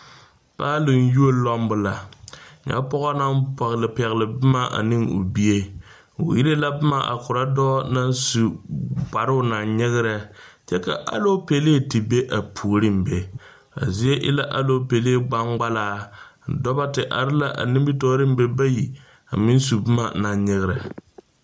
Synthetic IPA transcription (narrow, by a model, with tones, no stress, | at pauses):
paː˦lɪ˨n˦ju˦o˦lɔ˦m˦bʊ˨la˨ɲa̰˦pɔ˦ɣɔ˦na˦mpɔ˨ɣlɪ˨pɛ˨ɣɪ˨lɪ˨bɨ˦ma˦ʔa̰˨nɪ˦ŋʊ̰˨bi˦e˦ | o̰˨ji˦ɾe˦la˦bʊ˦ma˦ʔa̰˨kʊ˨ɾa˦dɔː˦na˦nsu˨ba˨ɾɪ˦ʊ˦na˨nɲɪ˦ɣɪ˦ɾɛ˨ | t͡ʃɛ˦ka̰˨ʔa̰˦lo˦pe˨le˦˨ti˨be˦ʔa˨pʰu˨ɾɪ˦m̩be˨ | a̰˨zi˦e˦ʔɪ̰˦la˦ʔa˦lo˦pe˨le˦e˦ɡ͡ba˦ŋɡ͡ba˦laː˦˨dɔ˦ba˦tɪ˨ʔa̰˨ɾɪ˦la˦ʔa̰˨nɪ˦mbi˦tɔː˦ɾɪ˦m̩˦be˦ba˦ji˨ | a˨mɪ˦n˦su˨bɨ˦ma˨na˨ɲɲɪ˦ɣɪ˦ɾɛ˨